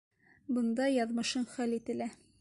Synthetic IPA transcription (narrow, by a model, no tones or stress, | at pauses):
bɤ̆nd̪ɑjɑðmɤ̆ʃɤɴχælit̪ɘ̆læ